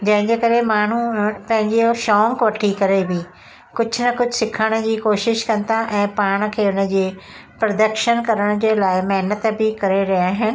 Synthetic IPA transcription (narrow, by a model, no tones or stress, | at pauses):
d͡ʒə̃ːɪ̃ɲd͡ʒeːkəɾeːmaːn̤ũːpɛ̃ɦɪ̃ɲd͡ʒeoːʃɔːŋkʋəʈʰːiːkəɾeːbiː | kʊt͡ʃʰnəkʊd͡ʒʰsɪkʰːəɽ̃d͡ʒiːkoːʃɪʃkənt̪aːʔɛ̃ːpaːɽ̃kʰeːʊnãd͡ʒeː | pɾəd̪əkʃənkəɾəɽ̃d͡ʒeːlaːemɛːnət̪biːkəɾeːɾɪaːɦɪn